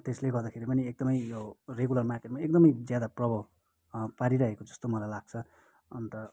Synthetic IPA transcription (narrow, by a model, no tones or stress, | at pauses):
t̪esleɡʌrd̪akʰeɾipʌniek̚d̪ʌmʌjjoreɡulʌrmarkeʈmaek̚d̪ʌmʌjd͡zjad̪aprʌbʱʌ | paɾiɾʌɦekod͡zʌst̪omʌlajlaɡ̚t͡sʰʌ | ʌnt̪ʌ